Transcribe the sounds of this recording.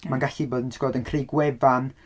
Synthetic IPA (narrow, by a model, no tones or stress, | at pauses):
manɡaɬiboːdəntʰɡ̥ɔːdənkʰrejɡwɛvan